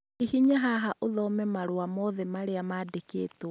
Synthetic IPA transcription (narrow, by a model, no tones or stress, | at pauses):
ihiɲaɦaɦaʔoðɔmɛmaɾwamɔðɛmaɾeamaːdekḛːto